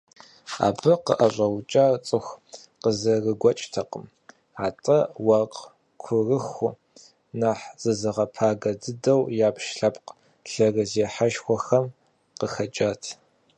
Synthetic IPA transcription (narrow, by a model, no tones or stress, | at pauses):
a̰ːbɨqə̰ʔɐɕʷʼɐwt͡ʃʼaːrt͡sʼɨxʷ | qəzɐrɨɡʷɐt͡ʃʼtʰɐqəm | aːtʼɐwɐqʼ | kʷʰʊrɨxʊ | naħz̥ɨzɨʁɐpʰaːɡɐdɨdɐwjaːpʃɬɐpʼq | ɬɐrɨzeːħaʃxʷɔxɐm | qəxɐt͡ʃʼaːtʰ